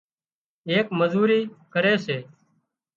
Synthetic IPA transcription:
eːkməzuːɾiːkəɾeːseː

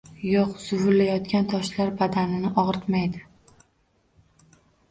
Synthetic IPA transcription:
joqsʊvʊlːajɒt̪̚kʲant̪ʰɒʃlaɾbad̪anɪnɪʔɒʁɾt̪majd̪ɪ

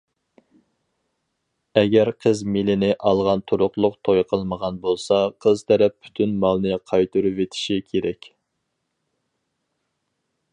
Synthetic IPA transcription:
ɛɡʲɛɾqʰəzmilɪnɪʔɑlˠʁɑnt̪ʰuɾʊqlˠʊqt̪ʰojqʰəlˠməʁɑnbolˠsɑqʰəzt̪ʰɛɾɛppʰːy̥t̪ʰynmɑlˠnɨqʰɑjt̪ʰɨɾuvet̪ʰi̥ʃikʲʰeɾɛkʲ

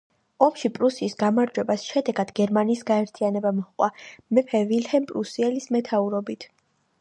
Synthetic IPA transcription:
ɔmʃipʼɾusiːsɡamaɾd͡ʒwɛbasʃɛd̪ɛɡad̪ɡɛɾmaniːsɡaɛɾt̪ʰianɛbamɔχqʼwa̰mɛpʰɛvilhɛmpʼɾusiɛlismɛt̪ʰauɾɔbit̪ʰ

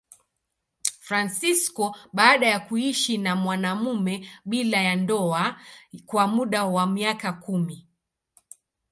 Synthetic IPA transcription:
fɾansiskɔɓaːɗajakuiʃinamwanamumɛɓilajandɔakwamuɗawamiakakumi

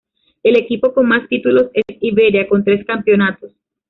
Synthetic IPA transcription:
e̞le̞kipo̞ko̞nmast̪it̪ulo̞se̞siβe̞ɾjako̞nt̪ɾe̞skampjo̞nat̪o̞s

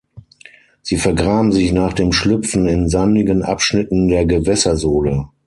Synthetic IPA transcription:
z̥iːfɛɐɡʁaːbm̩zɪçnaːχd̥eːmʃlʏpp͡fn̩ɪnzanɪɡənʔa̰pʃnɪtn̩deːɐɡəvɛsɐzoːlə

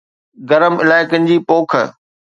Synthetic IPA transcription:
ɡɐɾəmɪ̰laːɪkənɪ̆d͡ʑiːpoːkʰə̰

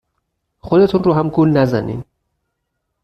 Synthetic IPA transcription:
xod̪e̞t̪ʰunɾuːɦæmɡuːlnæzæ̰nḭːn

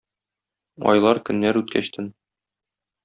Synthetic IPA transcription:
ɒ̰jlˠɑɾkɵ̆nːæɾʉt̪kʰæɕt̪ɘn

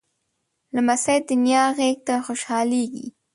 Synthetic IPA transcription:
lamasajt̪ɪnjɑːɢeːk̚t̪axʊʃhaːlijkɪ̰

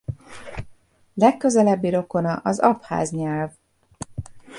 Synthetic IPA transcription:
lɛkːø̞zɛlɛbːiɾo̞ko̞nɒʔɒzɒpha̰ːzɲɛlv

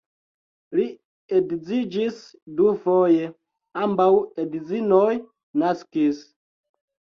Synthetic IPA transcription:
li | edzid͡ʒis | dufoje | ambawedzinoj | naskis

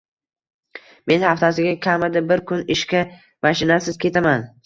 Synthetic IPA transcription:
me̞nhaft̪ʰasɪɡʲakʲʰamad̪abɪɾkʰʊnɪʃkʲa | maʃɪnasɪz̥kʲʰe̞t̪ʰaman

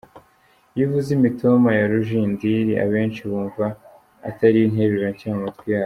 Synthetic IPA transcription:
jivuzimitomajaɾuʒiːndiɾia̰βe̞ːnt͡ʃiβuːɱva̰ː | taɾiinɦe̞ɾuɾaɲcaːmatɡwijaː

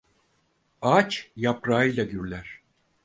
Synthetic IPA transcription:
at͡ʃjapɾaːɯjlʲaɟyɾlʲæɾ̥

